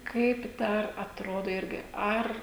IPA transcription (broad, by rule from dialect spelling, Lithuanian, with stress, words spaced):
kɐɪp ˈdɐr ɐtˈroːdoː ˈɪrʲɡʲɪ ˈɐr